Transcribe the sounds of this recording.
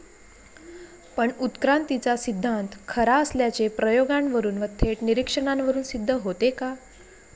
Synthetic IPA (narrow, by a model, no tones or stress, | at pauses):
pəɳut̪kɾant̪it͡sasid̪ʱːant̪kʰəɾaəsljat͡ɕepɾəjoɡanʋəɾuːnʋət̪ʰːeʈniɾikʂəɳanʋəɾuːnsid̪ʱːəɦot̪eka